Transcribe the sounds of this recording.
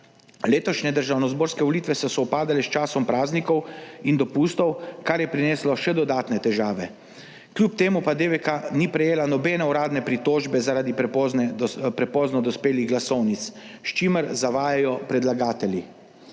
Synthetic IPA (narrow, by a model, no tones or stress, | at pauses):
leːt̪ɔʃnɛd̪əɾʒaːwnɔzboːɾskɛʋɔlit̪ʋɛsɔsɔwpaːd̪alɛst͡ʃaːsɔmpɾaːznikɔwind̪ɔpust̪ɔwkaɾjɛpɾineːslɔʃɛd̪ɔd̪aːt̪nɛt̪ɛʒaːʋɛ | klʲjuːp̚t̪eːmupad̪eʋɛkanipɾɛjeːlanɔbɛːnɛuɾaːd̪nɛpɾit̪oːʒbɛzaɾaːd̪ip | pɾɛpɔːznɔd̪ɔspeːliɣɡlasɔwnit̪s | ʃt͡ʃiməɾzaʋaːjajɔpɾɛd̪laɡaːt̪ɛli